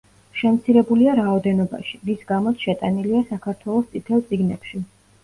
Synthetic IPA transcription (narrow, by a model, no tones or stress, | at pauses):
ʃɛmt̪sʰiɾɛbuliaɾaɔd̪ɛnɔba̰ʃimisɡamɔt̪sʰʃɛt̪ʼaniliasakʰaɾt̪ʰwɛlˠɔst̪sʼit̪ʰɛlˠt̪sʼiɡnɛ̰pʃi